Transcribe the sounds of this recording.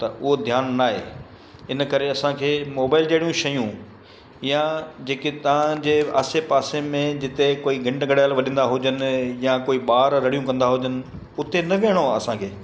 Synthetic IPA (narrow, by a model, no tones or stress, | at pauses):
t̪ɐʔʊɦod̪ʱjaːnːaːɦḛː | ɪnkɐɾeɐsãkʰeːmoːbaːɪld͡ʑeːɽijũʃɐjũ | jãd͡ʑeːkit̪ɐʋ̤ãd͡ʑeːa̰ːsepaːsemẽd͡ʑɪt̪ekoːiɡɐ̃ɳɖɡɐɽjaːlʋɐɗĩnd̪aɦʊd͡ʑənɪ̆jãkoːiɓaːɾɾɐɽ̤ijũkɐ̃nd̪aɦʊd͡ʑənɪ̆ | ʊt̪enɐʋeɽ̃oɐsãkʰeː